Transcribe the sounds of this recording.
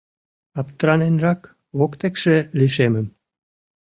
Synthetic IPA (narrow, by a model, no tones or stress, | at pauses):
ɑpt̪ɾɑnenrɑk | βokt̪ekʃeliʃemə̆m